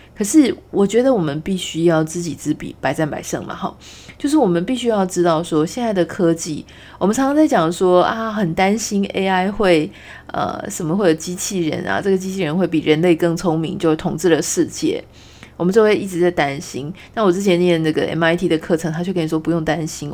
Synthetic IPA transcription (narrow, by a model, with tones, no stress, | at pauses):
kʰɤ˨˩ʂɻ̩˥˩wʔɔ˨˩t͡ɕɥɛ˧˥d̪ə˧˨wɔ˨˩mə˦npi˥˩ɕy˥jɑ˥˧ʊt͡sɹ̩˥˩t͡ɕi˨˩t͡sɹ̩˧˩pḭ˨˩˦pa˨˩ɪt͡sa˥˩npa̰˨˩ɪʂɤ̰˥˩ŋmɐ̰˨˩xɑ̰˧˦ | t͡ɕjo˥˧ʊʂ̬ɻ̩˥˩wɔ˨˩mə˨˦npi˥˩ɕy˥jɑ˥˩ʊʈ͡ʂɻ̩˥t̪ɑ˥˩ʊʂwɔ˥ɕjɛ˥˧nt͡sa˥˩ɪd̪ə˩kʰɤ˥t͡ɕḭ˥˩ | wɔ˨mə˦nt͡sʰɑ˧˥ŋʂʰɑ˥ŋt͡sa˥˩ɪt͡ɕjɑ˨˩ŋʂwɔ˥a˥˧xə˨˩nt̪a˥nɕi˥nḛ˥ɪa˥ɪxwe˥˩ɪ | ʔə̰˩ʂə˨˩mə˦xwe˥˩ɪjo˨˩ʊt͡ɕi˥t͡ɕʰi˥˩ɻə̰˧˥nʔa̰˨ʈ͡ʂɤ˥˩ɡə˩t͡ɕi˥t͡ɕʰi˥˩ɻə˧˦nxwe˥˩ɪpi˨˩ɻə˧˦˥nle˥˧ɪkɤ˥˩ŋt͡sʰʊ˥ŋmḭ˧˦ŋt͡ɕjo˥˧ʊ˥˩t̪ʰʊ˨˩ŋt͡sɻ̩˥˩lə˩ʂɻ̩˥˧t͡ɕjɛ̰˥˩ | wɔ˨˩mə˨˦t͡ɕo˥˧ʊwe˥˧ɪʔi˥˩ʈ͡ʂɻ̩˧t͡sa˥˩ɪt̪a˥nɕḭ˥nna˥˩wɔ˨˩t͡sɻ̩˥˩t͡ɕʰjɛ˧˦njɛ˥˩nə˥˩ɡə˩ʔɛ̰˥˩ma˧˥ɪt̪ʰi˥d̪ə˨kʰɤ˥˩ʈ͡ʂʰɤ˧˥ŋt̪ʰa˥t͡ɕo˥˩kʰə˥ni˨˩ʂwɔ˥pu˧˦jo˥˩ŋt̪a˦nɕi˥n